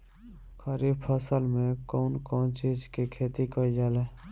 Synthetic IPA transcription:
kʰəɾiːbpʰəsəlmẽkɔːnkɔːnt͡ʃiːd͡ʒkikʰeːt̪ikəid͡ʒaːleː

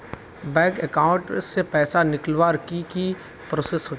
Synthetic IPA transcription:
bɛ̃ːkɛkaːʊ̃ɳʈsepɛːsanɪklʋaːɾkiki | pɾoːsesɦoː

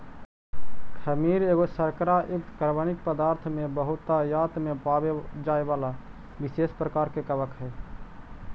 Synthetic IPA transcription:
kʰəmiɾeɡosəɾkɾaʔukt̪kəɾbənik̚pəd̪aɾt̪ʰmebəɦut̪ːajat̪ʰmepabed͡ʒaebala | bisespɾəkaɾkekəbəkɦɛ

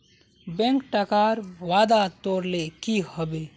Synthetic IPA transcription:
bẽŋkʈəkaɾʋad̪at̪oɾlekihəbe

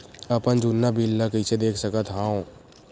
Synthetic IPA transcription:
əpənd͡ʒunːabʱilːakit͡ʃʰed̪eːkʰsəkət̪ɦãːõ

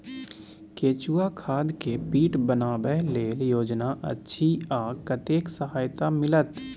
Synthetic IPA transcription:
keːt͡ʃuːakʰaːd̪kepiːʈbənaːbɛɦleːljoːd͡ʒnaʔə̰tːʃʰiaːkət̪eːksəɦaːjt̪amɪlət̪

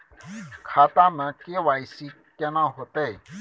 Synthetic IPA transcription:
kʰaːt̪ãmə̃keʋaːisi | kenãɦot̪e

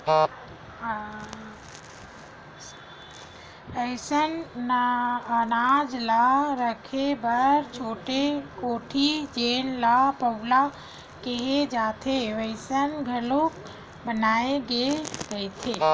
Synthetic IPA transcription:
əɪsən | ənad͡ʒlaɾəkʰebəɾt͡ʃʰoːʈekoːʈʰid͡ʒeːnlapəwla | keɦed͡ʒaːt̪ʰeʋəɪsənɡʱəlok | bənaːeɡeɾət̪ʰe

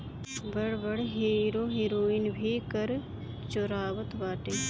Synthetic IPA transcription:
bəɽbəɽɦiːɾoːɦiːɾoːinbʱiːkəɾ | t͡ʃoɾaːʋət̪ʋaːʈeː

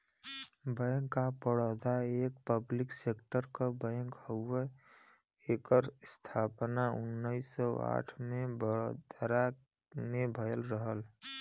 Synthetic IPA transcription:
bɛ̃ːŋkːapəɽɔd̪aeːk̚pəblɪkseːkʈəɾkəbə̃ːŋkhəe | ekəɾst̪ʰaːpnaʊnːəisɔa̰ːʈʰmẽbəɽd̪əɾa | nebʱəjəlɾəɦəl

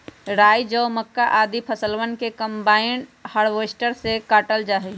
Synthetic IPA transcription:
ɾaːjd͡ʒəʊməkːaʔaːd̪ipʰəsəlwənkekəmbaːɪnɖhəɽʋeːsʈəɾsekaːʈəld͡ʒaːɦi

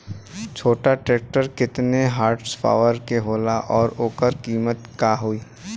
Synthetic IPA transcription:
t͡ʃʰoːʈaʈɾeːk̚ʈəɾkɪt̪neɦaːɾʈspʰa̰ːʋəɾkeɦoːlaʔɔːɾoːkəɾkiːmət̪kaɦuiː

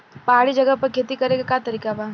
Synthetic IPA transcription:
paːɽid͡ʒɐɡəpɐɾkʰeːt̪ikɐɾeɡakat̪ɐɾiːkaba

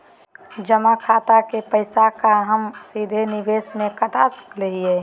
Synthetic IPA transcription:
d͡ʒəmakʰat̪akepəɪsakaɦəmsid̪ʱeniʋeːsmekəʈasə̥kleɦiɛ

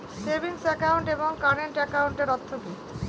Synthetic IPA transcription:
sebiŋsɛkawɳʈeboŋkaɾeɳʈɛkawɳʈeɾɔt̪ʰːobi

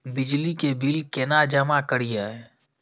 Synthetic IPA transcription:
bɪd͡ʒlikebɪlkenad͡ʒəmakəɽijaɦɛ

